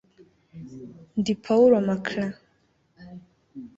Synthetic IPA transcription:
nd̪ipʰawɾamakʰna

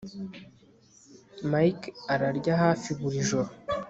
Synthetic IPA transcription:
majkaɾaɾɟahaːfiβuɾiʒoɾo

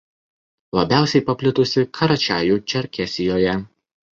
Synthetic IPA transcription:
lˠɐbʲæˑʊsʲɛɪpɐpʲlʲɪt̪ʊsʲɪkʰɐɾɐt͡ʃʲæːjuːt͡ʃʲɛɾʲkʲɛsʲɪjoːjɛ

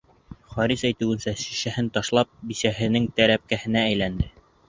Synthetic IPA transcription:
χɒɾisæjt̪ɘ̆wɘ̆nsæʃi̥ʃæhɘnt̪ɑʃlˠɑp̚bisæɦɘ̆nɘŋt̪æɾæp̚kæhɘ̆næːjlænd̪ɘ

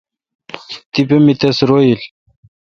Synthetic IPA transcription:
t̪ipemit̪ɐsɾojil

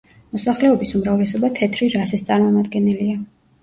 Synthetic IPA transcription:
mɔsaχlɛɔbisumɾavlɛsɔbat̪ʰɛt̪ʰɾiɾasɛst̪sʼaɾmɔmad̪ɡɛnɛlia

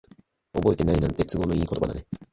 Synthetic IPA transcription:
o̞bo̞et̪e̞nainãnt̪e̞t͡sɨɡo̞no̞iːkot̪oba̰d̪ane

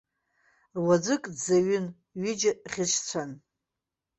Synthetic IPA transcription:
wad͡zʷɨkʼdzaɥʏn | ɥɪd͡ʒaχʲɪʂʷʰt͡sʷʰan

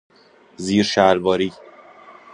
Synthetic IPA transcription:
ziːɾʃælbɒːɾiː

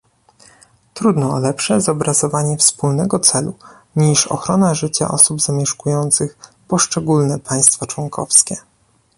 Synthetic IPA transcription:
t̪ɾud̪nɔːlɛpʂɛzɔbɾazɔvaɲɛfspulnɛɡɔt̪sɛlu | ɲiʂɔ̰xɾɔnaʐɘt͡ɕa̰ʔɔ̰subzamʲjɛʂkujɔnt̪sɘx | pɔʂt͡ʂɛɡulnɛpʰaj̃st̪fat͡ʂwɔŋkʰɔ̰fskʲɛ

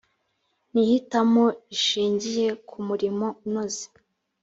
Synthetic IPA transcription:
nihitamo̞iʃiːɲɟije̞kʰumuɾimo̞nozi̥

